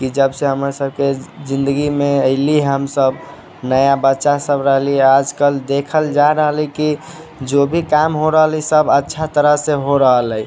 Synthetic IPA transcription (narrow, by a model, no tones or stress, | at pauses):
kid͡ʒəbseɦəmɾasəbked͡ʒind̪əɡimeəɪliɦəmsəb | nəjabətːʃasəbɾəɦliad͡ʒkəld̪ekʰəld͡ʒaɾəɦəliki | d͡ʒobʱikamɦoɾəɦəlisəbətːʃʰat̪əɾəɦseɦoɾəɦələj